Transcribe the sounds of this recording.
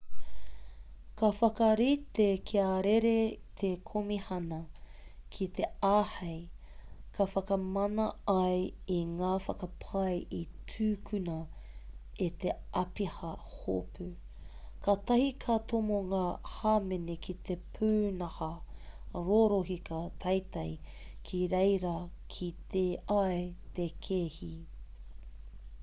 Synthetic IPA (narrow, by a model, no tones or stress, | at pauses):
kɐfɐkɐɾit̪ekʰiaɾeɾet̪ʰekʰomihɐnɐ | kʰit̪ʰe̞aːhɐj | kʰɐfɐkɐmɐnɐɐjiŋaːfɐkɐpʰɐjʔitʰʉːkʰʉnɐ | et̪eʔɐpihɐhopʰʉ | kʰat̪ɐhikʰat̪omoŋaːhaːmenekʰit̪epʰʉːnɐhɐ | ɾoɾoɦikɐt̪ʰɐjt̪ɐj | kʰiɾejɾɐ | kʰit̪eɐjt̪ekʰehi